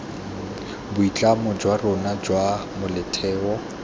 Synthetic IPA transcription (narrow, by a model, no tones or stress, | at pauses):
bʊit͡ɬʼamɔd͡ʒwarʊnad͡ʒwamʊlɪtʰɛːwɔ